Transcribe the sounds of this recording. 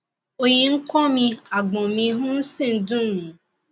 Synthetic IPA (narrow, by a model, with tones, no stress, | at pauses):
o˦ɲe˨ŋ̩˦kɔ˦mi˦a˨ɡ͡bɔ˨mi˦ɦʊ̃˦n̩˦sɪ˦n̩˨dʊ˦m̩˦˨